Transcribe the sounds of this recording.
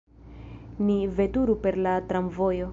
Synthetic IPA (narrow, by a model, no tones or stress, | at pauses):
nive̞tuɾupe̞ɾlatɾamvo̞jo̞